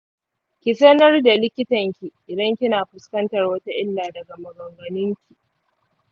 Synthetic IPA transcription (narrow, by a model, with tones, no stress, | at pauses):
kʲɪ˨sɐ˦nɐ˦rda˨lɪ˦kʲɪ˦tɐ˨ŋkʲi˨ʔɪ˨dɐ˦ŋkʲɪ˦naː˨ɸʊ˨skɐ˦ntɐ˨rwɐ˦ta˦ʔɪ˦lːaː˨dɐ˨ɡa˨mɐ˨ɡɔ˨ŋɡɐ˨nɪ˦ŋkʲi˨ʔ